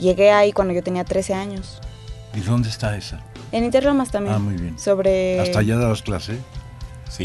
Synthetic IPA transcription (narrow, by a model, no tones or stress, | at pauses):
ʝe̞ɣe̞aikwand̪oʝot̪e̞niat̪ɾe̞se̞aɲo̞s | iðo̞nd̪est̪aesa | enĩnt̪eɾlomast̪ambjeanmujβjenso̞βɾeast̪aʝaðalasklases | si